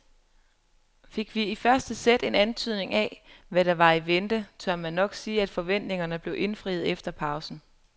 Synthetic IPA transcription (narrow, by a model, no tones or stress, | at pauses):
fe̝ɡ̥ʋiifɶɐsd̥əsed̥e̝nænt͡sʰyð̞̰ˠne̝ŋæʋæɾ̥ɑ̈ʋɑ̈iʋend̥ət͡sʰɒɐmænːɒ̽ɡ̥siːæd̥fɒ̽ʋen̰d̥ne̝ŋɐnəb̥le̝ʊʔe̝nfʁḭːð̩ˠefd̥ɐpʰɑ̈ʊsn̩